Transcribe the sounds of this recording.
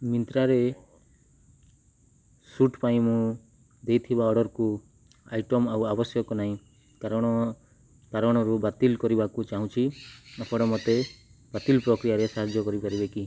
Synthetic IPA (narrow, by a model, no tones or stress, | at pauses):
mint̪ɾaɾe | suʈpaĩmũ | d̪ejt̪ʰibaɔɽɔɾku | ajʈɔmawabɔsjɔkɔnaĩ | kaɾɔɽ̃ɔ | paɾɔɽ̃ɔɾubat̪ilkɔɾibakut͡ʃaɦũt͡ʃʰiapʰɔɽɔmot̪e | bat̪ilpɾɔkɾijaɾesaɦad͡ʒjɔkɔɾipaɾibeki